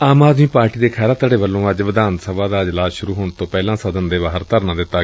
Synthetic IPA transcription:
aːmaːd̪miːpaːɾʈiːd̪eːkʰɛːlaːt̪əɽeːʋəlːõːəd͡ʒʋɪd̪aːnt̪səbaːd̪aːɪd͡ʒlaːsʃʊɾuːɦoːnt̪õːpɛːlãːsəd̪ənd̪eːʋaːɦəɾt̪əɾnãːd̪ɪt̪ːaː

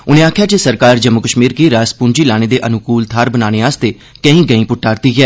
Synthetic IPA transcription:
ʊnẽːaːkʰjaːt͡ʃəsəɾkaːɾd͡ʒəmːʊkəʃmiːɾkiɾaːspʊɲd͡ʒiːlaːɽ̃eːd̪eːʔənʊkuːlt̪ʰaːɾbənaːɽ̃eːaːst̪eː | kə̃ĩːɡəĩːpʊʈʰːaːɾt̪iːɦɛː

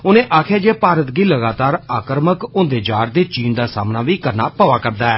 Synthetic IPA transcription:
ʊnẽːʔaːkʰjaːd͡ʒeːpaːɾət̪ɡiːləɡaːt̪aːɾaːkəɾməkʊ̃nd̪eːd͡ʒaːɾd̪eːt͡ʃiːnd̪aːsa̰ːmnaːʋiːkəɾnaːpəʋaːkəɾd̪aːɛː

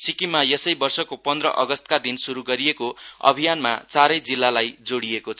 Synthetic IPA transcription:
sikimajʌsʌjbʌrsʌkopʌnd̪rʌ̰ʔʌɡʌst̪̚kad̪insuɾuɡʌɾijekoʌ̰bʱijanma̰t͡saɾʌjd͡zilːalajd͡zoɽiekot͡sʰʌ

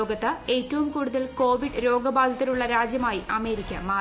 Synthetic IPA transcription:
oːɡɐt̪ːɨe̞ːtːɐʋumkuːɽuðɐlko̞ːʋiɖɾo̞ːɡɐbʱaːd̪ʱɐt̪ːiluɭːɐɾaːd͡ʑjɐmaːjiʔɐme̞ːɾikʲːɐ̰maː

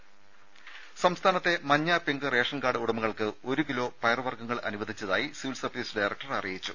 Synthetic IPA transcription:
sɐmst̪ʰaːnɐt̪ːe̞mɐɲːaːpeŋɡɨre̞ːʂɐnɡaːɽɨuɽɐmɐɣɐɭkɨo̞ɾukilo̞ːpɐjrʋɐrɡɐŋːɐɭɐ̰nuʋɐd̪ʱit͡ɕːɐðaːjisiʋilsɐrʋiːsɖɐjrɐk̚ʈɐrɐrijjit͡ɕːu

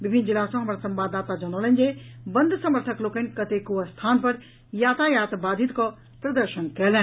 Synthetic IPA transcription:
bɪbʱɪnd͡ʑɪlaːsɔ̃ɦɐmɐɾsɐ̃mbaːd̪aːt̪ad͡ʑɐnoːlənd͡ʑeːbɐ̃nd̪ʱsɐməɾt̪ʰəkloːkənkɐt̪ekoɐst̪ʰaːnpɐɾ | jaːt̪ʰaːjaːt̪baːd̪ʱit̪kʰɔ | pɾɐd̪əɾʃənkɐəlɛ̃

